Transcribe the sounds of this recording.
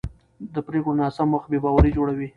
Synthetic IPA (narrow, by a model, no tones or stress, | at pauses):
d̪əpɾeɡonɑsamːəx̚bebɑwaɾid͡ʒoɽawi